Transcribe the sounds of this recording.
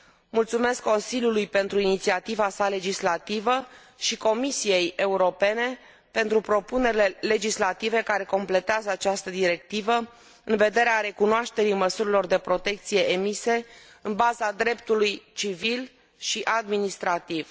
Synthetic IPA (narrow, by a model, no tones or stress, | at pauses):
mult̪sume̞skːo̞nsilʲjulujpe̞nt̪ɾuinit̪siat̪ivasale̞d͡ʒislat̪ivə | ʃiko̞misije̞je̞uɾo̞pe̞ne̞ | pe̞nt̪ɾupɾo̞pune̞ɾile̞le̞d͡ʒislat̪ive̞kaɾe̞ko̞mple̞t̪eazəat͡ʃast̪əd̪iɾe̞k̚t̪ivə | ɨnve̞d̪e̞ɾeaɾe̞kunoaʃt̪e̞ɾijməsuɾilo̞rd̪e̞pɾo̞t̪e̞k̚t̪sije̞ʔemise̞ | ɨnbazad̪ɾe̞p̚t̪ulujt͡ʃivil | ʃiʔad̪minist̪ɾat̪iv̥